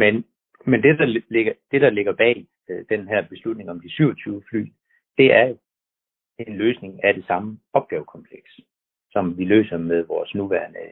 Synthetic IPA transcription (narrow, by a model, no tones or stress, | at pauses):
men | mend̥e̝dɑ̈lleɡ̥ɐd̥e̝ɾ̥ɑ̈le̝ɡ̥ɐb̥ɛ̰ː | d̥enɦæɐ̰b̥e̝slud̥̚ne̝ŋɒ̽md̥isyʊɐt͡sʰyːʊəfly̰ː | d̥e̝æɐjo̝ | enløːsne̝ŋæɾ̥e̝sɑ̈məɒ̽b̥̚ɡ̥ɛːʊkʰɒ̽mpʰleɡ̥s | sɒ̽mʋilø̰ːsɐmeðˠʋɒːsnuʋæɐnə